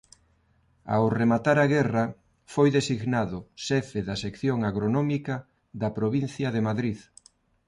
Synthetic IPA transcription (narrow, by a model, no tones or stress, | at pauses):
a̰wremat̪aɾaɣɛrɐ | fojðesiɣnaðʊʃɛfeðɐsekθjoŋaɣɾonɔmikɐ | ðɐpɾoβin̟θjɐðemaðɾið